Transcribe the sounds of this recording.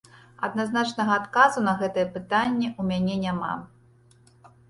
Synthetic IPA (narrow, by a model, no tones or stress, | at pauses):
ɐ̰d̪̚naznat͡ʂnɐɣɐːt̪kazunɐɣɛt̪ɨjɛpɨt̪anʲːɛʔumʲanʲɛnʲama̰